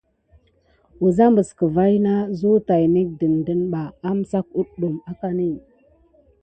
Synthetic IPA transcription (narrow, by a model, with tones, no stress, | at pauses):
u˨za˦mbə˨skə˨va˦jna˦zu˦ta˨jni˦k̚də˨n˨də˦nɓa˨a˦m˨sa˦k̚u˦ɗɗu˨ma˦ka˨ni˦˨